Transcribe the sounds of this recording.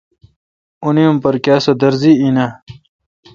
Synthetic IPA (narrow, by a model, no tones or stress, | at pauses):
unijumpɐɾkaːsod̪ɐɾziina